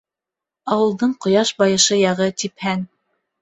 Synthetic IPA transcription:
ɑwɤ̆lˠd̪ɤɴqŏjɑʃbɑjɤ̆ʃɤjɑʁɤt̪iphæn

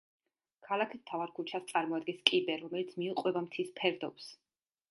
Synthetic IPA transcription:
kʰalˠakʰimt̪ʰavaɾkʰut͡ʃʰast̪sʼaɾmɔad̪ɡɛnskʼibɛɾɔmɛlit̪sʰmiuqʼwɛbamt̪ʰispʰɛɾd̪ɔps

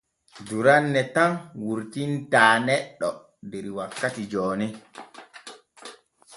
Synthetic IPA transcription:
duɾanːɛtanwuɾtintaːnɛɗːɔ | dɛɾiwakːatid͡ʒɔːnɛ

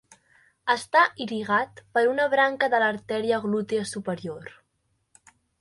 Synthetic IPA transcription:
əst̪aʔiɾiɣat̪pəɾunəβɾaŋkəðələɾt̪ɛɾiəɣlut̪iəsupəɾioɾ

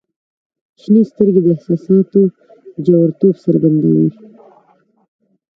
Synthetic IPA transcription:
ʃnist̪əɾɡed̪əɪhsɑsɑt̪o | d͡ʒawaɾt̪obsaɾɡand̪a̰wi

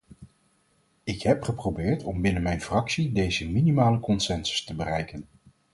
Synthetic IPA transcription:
ɪkɦɛpχəprowbɪːɹtɔmbɪnənmɛjnfrɑksidejzəminimaːləkɔnsɛnsə̥stəbərɛjkən

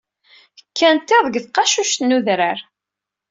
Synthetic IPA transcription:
əkʰːænt̪ːeðˤɡθqɑʃuʃt̪nuðɾəɾ

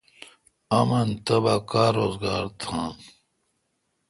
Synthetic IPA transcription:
ɐmɐnt̪ɐbakaːɾoːzɡaːɾt̪ʰãn

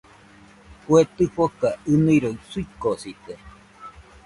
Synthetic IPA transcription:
kuet̪ɨɸokaɨnɨɾoisuikosit̪e

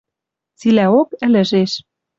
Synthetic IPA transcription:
t͡silæokɘ̆lɘ̆ʒeʃ

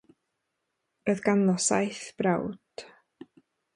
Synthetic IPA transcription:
rəðɡanɔsa̰jθb̥rawd̥

